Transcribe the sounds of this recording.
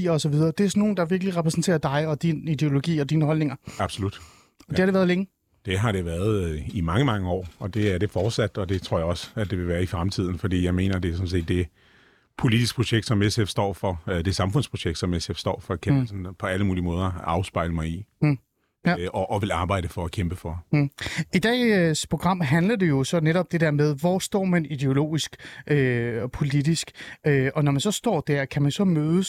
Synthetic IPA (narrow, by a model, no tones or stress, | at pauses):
ḭːɒsɒʋiðˠɐːd̥e̝æɐsno̝ːn̩d̥ɑʋiɐɡ̥əliʁɛpʰʁɛsn̩t͡sʰe̝̰ːɐd̥ɑ̈ɪɒ̽d̥inid̥e̝o̝lo̝ɡ̥ḭːɒd̥iːnəhɒ̽lne̝ŋɐɑb̥so̝lud̥ | ɒ̽de̝hɑɾ̥eʋæɐð̞ˠleŋə | d̥e̝ɦɑ̈ɾ̥e̝ʋæːɐðˠimɑ̈ŋəmɑ̈ŋəɒ̰ːɒ̽d̥e̝æɐɾ̥e̝fɒːd̥sæd̥ɒ̽d̥e̝t͡sʰʁo̝ɐ̰jɑɒ̽sæd̥e̝ʋe̝ʋæːɐifʁamt͡sʰið̰ˠn̩fɒ̽d̥ḭːjɑ̈ɪme̝̰ːnɐd̥e̝æɐsɔ̽mse̝̰ːd̥ːe̝ | pʰo̝lid̥isɡ̥̚pʰʁo̝ɕeɡ̥̚d̥sɒ̽mesefsd̥ɒ̰ːfɒ̽d̥e̝sɑ̈mfɔ̽n̰spʰʁo̝ɕeɡ̥̚d̥sɒ̽mesefsd̥ɒ̰ːfɒ̽kʰæmsnpʰɒ̽æləmuːlimɔ̽ːð̞ˠɐɑ̈ʊsb̥ɑ̈ɪləmɑ̈ɪi | ɒʔːʋe̝lɑ̈ːb̥ɑ̈ɪ̰d̥əfɒ̽ækʰemb̥əfɒ | id̥ɛ̰ːspʰʁo̝ɡ̥ʁɑ̈m̰ɦænlɐd̥e̝jo̝sɒ̽neɾɒ̽b̥̚d̥e̝d̥æɐmeð̞ˠʋɒ̰sd̥ɒ̰ːmænid̥e̝o̝lo̝̰ːisɡ̥ʔøpʰo̝lid̥isɡ̥øɒ̽nɒmænsɒ̽sd̥ɒ̰ːd̥æɐ̰kʰæmænsɒ̽møːðˠəs